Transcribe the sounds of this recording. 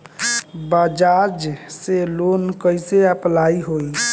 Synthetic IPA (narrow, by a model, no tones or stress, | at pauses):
bad͡ʒaɾd͡ʒselonkəjseəplaiɦoj